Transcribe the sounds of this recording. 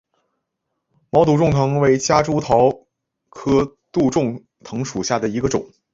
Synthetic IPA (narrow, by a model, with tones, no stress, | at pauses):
mɑ˧˥ʊt̪u˧˥ʈ͡ʂʊ˥˩ŋt̪ʰɤ˧˥ŋwe˧˥ɪt͡ɕja˥ʈ͡ʂu˥t̪ʰɑ˧˥ʊ | kʰɤ˥ | t̪u˥˧ʈ͡ʂʊ˥˩ŋ | t̪ʰɤ˧˥ŋʂu˨˩ɕja˥˩d̪ə˩i˧˥ɡə˧ʈ͡ʂʊ̰˨˩˦ŋ